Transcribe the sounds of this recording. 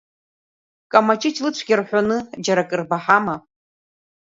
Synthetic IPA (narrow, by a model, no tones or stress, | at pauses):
kʼamat͡ʃʼɪt͡ʃʰʼlɨt͡ɕʷʰɡʲɪrħʷanɨd͡ʒaɾakʼɨrbaħama